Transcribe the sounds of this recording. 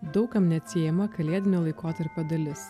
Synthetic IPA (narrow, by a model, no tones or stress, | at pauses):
d̪ɒʊkɐmnʲɛɐt̪ʲsʲijɛmɐkɐlʲeɛd̪ʲɪnʲoːlˠɐɪkoːt̪ɐɾpʲod̪ɐlʲɪs